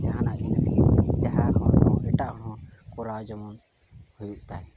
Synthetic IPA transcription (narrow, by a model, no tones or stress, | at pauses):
d͡ʒaɦanaʔd̪insid͡ʒaɦaɦɔ̃nɔ̃ɛʈaʔɦɔ̃kɔɾad͡ʒɔmɔn | hujuʔt̪aj